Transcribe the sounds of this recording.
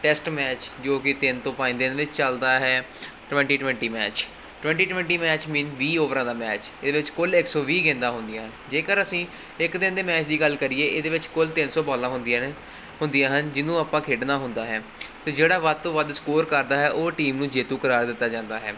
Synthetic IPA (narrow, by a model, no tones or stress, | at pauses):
ʈɛsʈmɛːt͡ʃd͡ʒoːkɪt̪ɪnt̪õːpaːĩːd̪ɪnʋɪt͡ʃt͡ʃəld̪aːɦɛː | ʈʋɛ̃ɳʈiːʈʋɛ̃ɳʈiːmɛːt͡ʃ | ʈʊʋɛ̃ːɳʈiːʈʋɛ̃ɳʈiːmɛːt͡ʃmĩːnʋiːoːʋɾãːd̪aːmɛːt͡ʃeːd̪eːʋɪt͡ʃkʊlɪksɔːʋiːɡẽːnd̪aːɦʊnd̪ɪjãːɦənd͡ʒeːkəɾəsĩː | ɪkd̪ɪnd̪eːmɛːt͡ʃd̪iːɡəlkəɾiːeːʔeːd̪eːʋɪt͡ʃkʊlt̪ɪnsɔːbɔːlãːɦʊnd̪ | ɦʊnd̪ɪjãːɦənd͡ʒɪnũːaːpãːkʰeːɖnaːɦʊnd̪aːɦɛː | t̪eːd͡ʒeːɽaːʋəd̪̚t̪õːʋəd̪skoːɾkəɾd̪aːɦɛːʔoːʈiːmnũːd͡ʒeːt̪ũːkəɾaːɾd̪ɪt̪ːaːd͡ʒãːnd̪aːɦɛ̰ː